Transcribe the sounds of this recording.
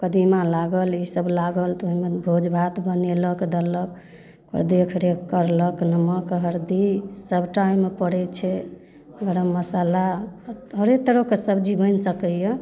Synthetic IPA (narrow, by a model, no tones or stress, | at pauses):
kəd̪imalaɡəlisəblaɡəlt̪ɔɦimebʱod͡ʒbʱat̪bəneləkd̪ələk | ə̰ɾd̪iəkʰɾekəɾləknəməkɦəɾd̪isəbʱʈaimːepəɽɛt͡ʃʰɛ | ɡəɾəmːəsalaɦəɾet̪əɾəkesəbd͡ʒibənsəkəjə